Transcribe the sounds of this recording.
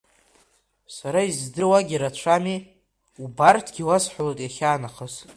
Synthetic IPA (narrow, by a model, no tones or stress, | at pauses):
saɾaizdɨrwaɡʲiɾat͡ɕʷʰami | ubartʰɡ̥ʲiwasħʷalatʼjaχʲaːnaχəz